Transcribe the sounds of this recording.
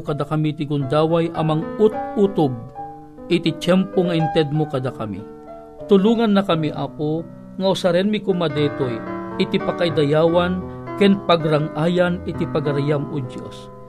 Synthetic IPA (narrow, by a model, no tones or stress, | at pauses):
kɐd̪akɐmit̪ɪɡʊnd̪aːwajʔɐmɐŋut̪̚ut̪ob̚ | ʔɪt̪it͡ʃɛmpoŋɐɪnt̪ɛd̪̚mokɐd̪akɐmḭ | t̪ʊluːŋɐnːɐkɐmiʔako | ŋɐʊsɐɾɛnmɪkomɐd̪ɛt̪ojʔɪt̪ipɐkɐid̪ɐjaːwankɛnpɐɡɾaŋʔaːjanɪt̪ipɐɡɐɾajamʊd͡ʒ̪jo̰s